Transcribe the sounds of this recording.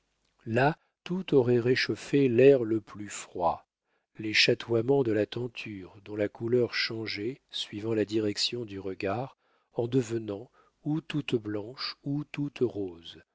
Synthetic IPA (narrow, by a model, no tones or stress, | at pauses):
la | t̪ut̪ɔʁɛʁeʃofelɛʁləplyfχwa̰ | leʃat̪wamɑ̃d̪əlat̪ɑ̃t̪ʰyʁd̪ɔ̃lakulœʁʃɑ̃ʒɛsɥivɑ̃lad̪iʁɛksjɔ̃d̪yʁəɡaʁ | ɑ̃d̪əvənɑ̃ | ut̪ut̪blɑ̃ʃut̪ut̪ʁoz